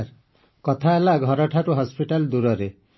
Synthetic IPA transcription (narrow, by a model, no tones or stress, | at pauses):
ɾ | kɔt̪ʰaelaɡʱɔɾɔʈʰaɾuɦɔspiʈald̪uɾɔɾe